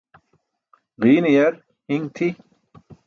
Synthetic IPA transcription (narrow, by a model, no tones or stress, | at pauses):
ʁiːnijɐɾ | hiŋt̪ʰi